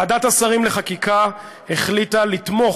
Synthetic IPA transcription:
adatasaʁimleχakika | heχlit̪alit̪mo̞

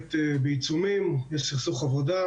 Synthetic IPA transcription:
t̪ːbəjt͡sumimjɛʃsiχsuχavɔd̪a

